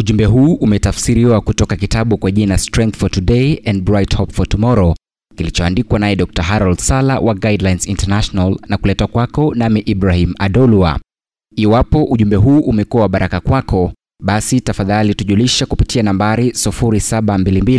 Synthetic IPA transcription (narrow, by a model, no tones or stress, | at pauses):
uʄumbɛɦuːʔumɛtafsiɾiwakutɔkakitaɓukwaʄinastɾɛŋk̚θfɔtuɗeiɛnd̚bɾajthɔpfɔtɔmɔɾɔ | kilit͡ʃɔandikwanaɛɗɔk̚taɦaɾɔldsalawʔaɡajdlajnsintanaʃɔnalnakulɛtakwakɔnamɛʔibɾahimaɗɔlua̰ | iwapɔʔuʄumbɛɦuːʔumɛkuawaɓaɾʔakakwakʰɔ | ɓasitafaðalituʄuliʃɛkupitianambaɾisifuɾisaɓambilimbili